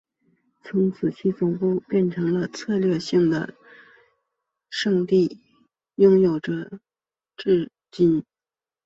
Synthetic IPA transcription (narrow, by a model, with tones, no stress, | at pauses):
t͡sʰʊ˧˥ŋt͡sʰɹ̩˨˩t͡ɕʰi˥˩t͡sʊ˨˩ŋpu˥˧pjɛ˥˩nʈ͡ʂʰɤ˧˥ŋlə˧t͡sʰɤ˥˧lɥɛ˥˧ɕi˥˩ŋd̪ə̰˩ | ʂɤ˥˧ŋt̪i˥˩ | jʊ˥ŋjo˨˩ʊʈ͡ʂə˨˦ | ʈ͡ʂɻ̩˥˩ | t͡ɕi˥n